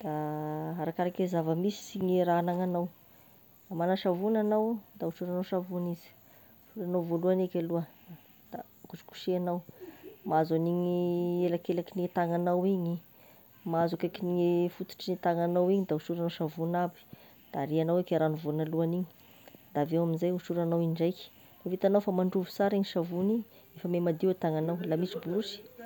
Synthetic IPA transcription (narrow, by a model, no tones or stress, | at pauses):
d̪̥aaɾakaɾakezavəmisi̥siɲiɾanaŋanaw | amanaʃavunanawd̪ausuɾanawʃavunizi̥ | fuɾanawvoluanekʲaluə | d̪̥a̰ | kusu̥ku̥ʃianawmaazaniɲielakelakiniet̪aŋanawiɲi | maazukakiniefut̪u̥ʈ͡ʂinit̪aŋanawiɲid̪ausuɾanawʃavunabi̥ | d̪̥aɾianawekʲeɾanuvunaluaniɲi̥ | d̪avewaminzajusuɾanawiɳɖ͡ʐajki̥ | evit̪anawfamaɳɖ͡ʐuvu̥saɾiɲiʃavuniɲ | efəmemad̪iwet̪aŋanawlamisibulusi̥